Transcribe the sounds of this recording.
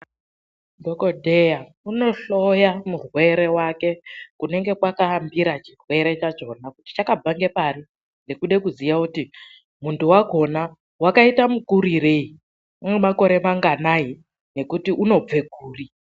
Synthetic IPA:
dʱokodʱeja | uno̞ɬo̞jamurwe̞ɾe̞wake̞kune̞ŋɡe̞kwakaːmbiɾat͡ʃirwe̞ɾe̞t͡ʃat͡ʃo̞nakuti̥t͡ʃakab͡vaŋɡe̞pari | ndekuɗe̞kuzijauti | muntuwaɡʱo̞na | wakaitamukuɾiɾe̞i | umwemako̞ɾe̞maŋɡanai | ne̞kutiʔuno̞b͡ve̞ɡʱuːri

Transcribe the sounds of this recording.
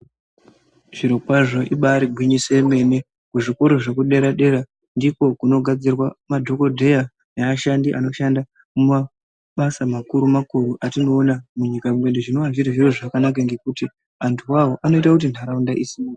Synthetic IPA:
ʐ̥iɾokwaʐoʔiɓaɾiɡʱwiɲise̞me̞ne̞ | kuʐikuɾuʐe̞k̬uɗe̞ɾaɗe̞ɾa | ndiko̞kuno̞ɡʱad͡zirwamadʱoko̞dʱe̞ja | neaʃandiʔa̰no̞ʃanda | muma | ɓasamakuɾumakuruʔatino̞ːnamuɲikamwe̞ɗeʐino̞ʋaʐiɾiʐiroʐakanak̬aŋɡe̞kuti | antʰuwawoʔano̞itakut̬in̤aɾaundaʔisimua

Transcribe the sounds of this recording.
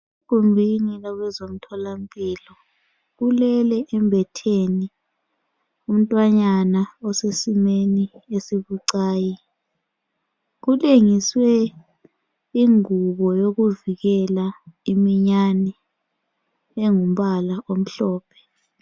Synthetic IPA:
ekumbʱinilaɣɛzom̩tʰɔlam̩pʼiːlɔ | ɣulɛlɛʔɛmbʱɛtʰeni | um̩tʼwaɲanaɔsesimeniesiβuǀaːji | ɣuleŋiswɛ | iŋuβɔjoɣuviɣɛlaimiɲanɛ | eŋum̩ɓalaʔom̩ɬɔːpʰɛ̥

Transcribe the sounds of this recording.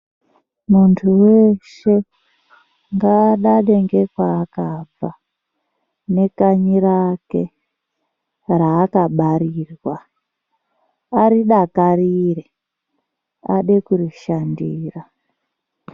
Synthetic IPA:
muntʰuweʃe̞ | ŋɡaɗaɗe̞ŋɡe̞kwaːkab͡va | ne̞kaɲiɾake̞ | raːkaɓaɾirwa | aɾiɗakarire | a̰ɗekuriʃandiːra

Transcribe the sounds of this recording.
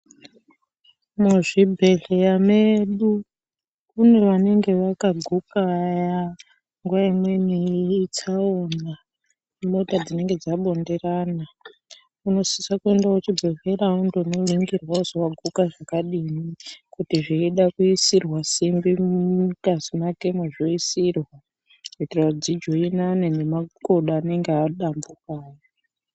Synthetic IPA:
muʐibʱe̞ɮejameɗu | une̞ʋane̞ŋɡe̞ʋakaɡʱukaja | ŋɡuʋaimwe̞niːt͡ʃaoːna | mo̞tad͡zine̞ŋɡe̞d͡zaɓo̞nde̞raːna | uno̞si̥sakue̞ndaut͡ʃibʱove̞ɾaundounoiŋɡirwauzowaɡʱukaʐakaɗinikutiʐiiɗakuisirwasimbiukazimake̞maʐoisirwa | etrawad͡zid͡ʒo̞inanenemakoɗaːne̞ŋɡeaɗambukaːjo

